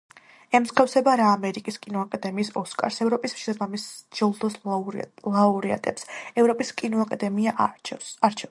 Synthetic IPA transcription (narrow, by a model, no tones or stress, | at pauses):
ɛmskʰafsɛbaɾaːmɛɾikʼiskʼinɔakʼad̪ɛmiːsɔskʼa̰ɾsɛvɾɔpʼisʃisbamisd͡ʒɔlˠd̪ɔs | lˠauɾia̰t̪ʼɛpsɛvɾɔpʼiskʼinɔakʼad̪ɛmiaʔaɾt͡ʃʰɛ